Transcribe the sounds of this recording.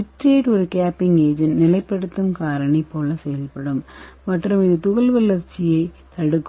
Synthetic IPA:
utːeːʈːoɾukaːpːiŋɡeːd͡ʑɐnnilɐjpːeɽut̪ːumkaːɾɐɳɐipːo̞ːɭːɐsejɐlpeɽumʋɐʈrɐmiðɨt̪uɣɐɭʋɐlːɐrt͡ɕːije | t̪ɐɽukː

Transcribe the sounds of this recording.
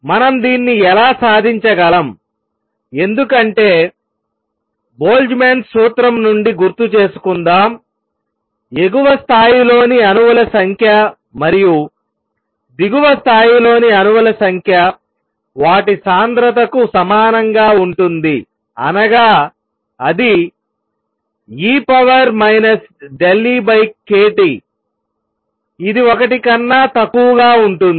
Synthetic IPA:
mɐnɐmd̪iːnːiɛlaːsaːd̪ʱiɲt͡ʃɐɡɐlɐm | e̞nd̪ukɐɳʈe̞ː | bo̞ːld͡ʒmensuːt̪ɾɐmnuɳɖiɡuɾt̪ut͡ʃe̞ːsu̥kund̪aːm | e̞ɡuʋɐst̪ʰaːjilo̞ːniɐnuʋɐlɐsɐŋkʰjɐ | mɐɾiju | d̪iɡuʋɐst̪ʰaːjilo̞ːniɐnuʋɐlɐsɐŋkʰjɐ | ʋaːʈisaːnd̪ɾɐt̪̬ɐkusɐmaːnɐŋɡaːuɳʈund̪i | ɐ̰nɐɡaː | ɐd̪i | iːpɐʋɐɾmɐjnɐs | ɖelːibɐjkːeːʈi | d̪iɔkɐʈikɐnːaːt̪ɐkːuʋɐɡaːuɳʈun

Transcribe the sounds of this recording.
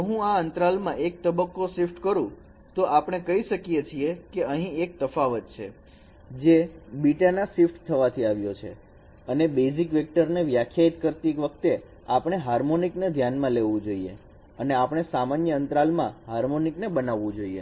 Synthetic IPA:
ɦũaənt̪ɾalmãʔek̚t̪əbəkːosifʈkəɾũ | t̪oʔapɽ̃ekəɦiʃəkijet͡ʃʰiekeəɦĩek̚t̪əfaʋət̪̚t͡ʃʰe | d͡ʒebiʈanasifʈt̪ʰəʋat̪ʰiaʋjot͡ʃʰe | ənebezikʋek̚ʈəɾneʋjakʰjait̪kəɾt̪iekʋəkʰt̪e | apɽ̃eɦaɾmonikned̪ʱjanmãleʋũd͡ʒoiḛ | əneapɽ̃esamanjəənt̪ɾalmãɦaɾmoniknebənaʋːũd͡ʒoiḛ

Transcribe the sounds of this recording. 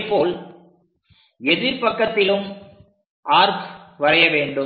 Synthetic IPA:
pːoːl | ɛðɪɾpɐkːɐt̪ːɪlɯm | ʔaːɾpʋɐrɐjɐʋeːɳɖɯ

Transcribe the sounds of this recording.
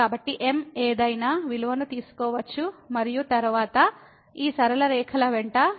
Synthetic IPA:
aːbɐʈːiʔe̞meːd̪ɐjnaːʋiluʋɐnut̪iːsu̥kɔːʋɐt͡ʃːumɐɾijut̪ɐɾuʋaːt̪ɐ | iːsɐɾɐlɐɾɛːkʰɐlɐʋeɳʈɐ

